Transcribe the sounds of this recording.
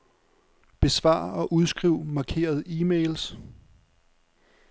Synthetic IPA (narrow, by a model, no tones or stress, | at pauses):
b̥e̝sʋɑ̰̈ːɒ̽ʔuð̞ˠsɡ̥ʁiʊ̰mɑ̈kʰe̝̰ːɐð̞ˠiːmels